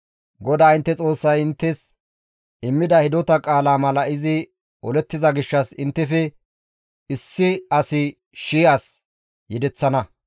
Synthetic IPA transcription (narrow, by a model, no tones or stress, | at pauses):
ɡɔd̪aːɪnt̪ːɛt͡sʼo̞ːsːɐjɪnt̪ːɛs | ɪmːɪd̪ɐhɪd̪ɔt̪ɐkʼaːlaːmɐlɐɪzɪ | ɔlɛt̪ːɪzɐɡɪʃːɐsɪnt̪ːɛfɛ | ɪsːɪɐsɪ | ʃiːʔaːs | jɛd̪ɛt͡sːɐnɐ